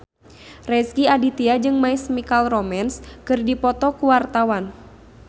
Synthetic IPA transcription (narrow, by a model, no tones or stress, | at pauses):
rɛskiadit̪iad͡ʒɨŋmaismikalrɔmɛnskɨrdipɔt̪ɔkuwart̪awan